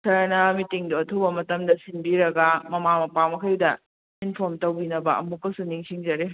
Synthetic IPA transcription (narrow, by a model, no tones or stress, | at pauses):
tʰɐɾnɐmitiŋduɐtʰubɐmɐtɐmdɐsinbiɾɐɡɐmɐmamɐpamɐkʰɐjdɐ | inpʰoɾmtɐwbinɐbɐ̰ʔɐ̰mukːɐsuniŋsʰiŋd͡ʒɐɾe